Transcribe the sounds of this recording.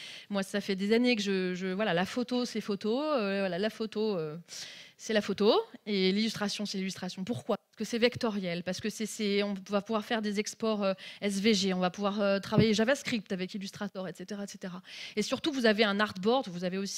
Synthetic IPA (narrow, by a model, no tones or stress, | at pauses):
mwasafɛd̪ezanekəʒəʒəvwalalafot̪osefot̪oøvwalalafot̪oø | sɛlafot̪oelilyst̪χasjɔ̃sɛlilyst̪χasjɔ̃puʁkwapaʁsə̥kəsɛvɛkt̪ɔʁjɛlpaʁsə̥kəsɛsɛɔ̃vapuvwaʁfɛʁd̪ezɛkspɔʁøɛs̬veʒeɔ̃vapuvwaʁøt̪χavajeʒavaskχip̚t̪avɛkilyst̪χat̪œʁɛt̪set̪eʁaɛt̪set̪eʁaesyʁt̪uvuzaveɛ̃naʁd̪bɔʁd̪vuzaveosi̥